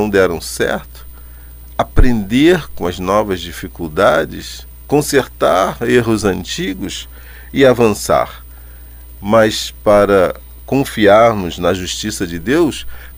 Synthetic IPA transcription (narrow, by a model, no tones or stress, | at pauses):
w̃d̪ɛɾɐ̃w̃sɛ̰ɾt̪ʊ̥ | apɾẽnd̪eɾkõɐznɔvɐzd͡ʒifikuwd̪ad͡ʒɪ̰s | kõseɾt̪aɾeɦʊzɐ̃nt͡ʃiɡʊs | ɪavɐ̃sa̰ɾ | mɐspaɾɐ | kõfiaɾnʊznɐʒuʃt͡ʃisɐd͡ʒɪd̪ews